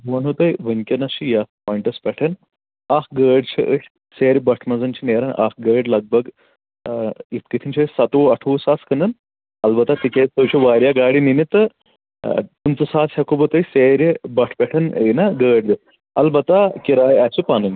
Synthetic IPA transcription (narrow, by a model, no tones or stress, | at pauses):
ɦoːnɦot̪ɐjʋənkʲɐnɐʃijaspɔːjɳʈɐspʲɛʈʰɐn | akɡəːɖt͡ʃʰiʔəʈʲ | seːɾʲbɐʈʰmɐd͡zɐnt͡ʃʰineːɾɐnʔa̰kɡəːɖlɐɡ̚bɐɡ | it̪kit̪ʰint͡ʃʰesɐt̪oɐʈʰuːsaːt͡skɐnɐn | ɐlbɐt̪at̪ikʲet̪əwt͡ʃʰiʋaːɾjaɡaːɽininit̪ɐ | t̪umt͡sɐsaːshɐkobʱot̪ɐjseːɾbɐʈʰpɛʈʰɐnḛnɐɡəːɖd̪ɨ | ɐ̰lbɐt̪akiɾaːjat͡ʃʰipanun